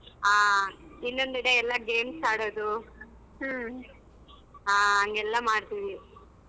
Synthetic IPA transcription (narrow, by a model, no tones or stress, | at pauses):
aːinːo̞nd̪iɽeɛlːɐɡeːmsaːɽoːd̪u | ɦ | aːɦɐŋɡɛlːɐmaːɽt̪iʋi